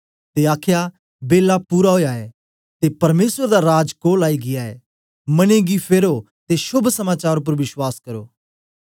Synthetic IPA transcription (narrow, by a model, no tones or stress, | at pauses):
t̪eaːkʰja | beːlapuːɾaɦoːjaɛː | t̪epɐɾmeːsəɾd̪aɾaːd͡ʒkoːlaːiɡɪjaɛː | mɐneɡipʰeːɾo | t̪esʊbʱsɐmaːt͡ʃaːɾʊp̬əɾʋɪswaːskɐɾo̰ː